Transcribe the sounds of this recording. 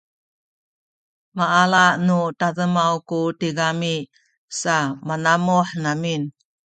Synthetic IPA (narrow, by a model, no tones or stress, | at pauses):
maʔːlaʔnutazəmawkutiɡami | samanamuħnamin